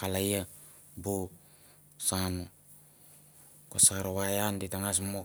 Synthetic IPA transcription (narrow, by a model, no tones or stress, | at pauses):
kalaja | bo | sano | kosaɾoβajanditaŋas̬mo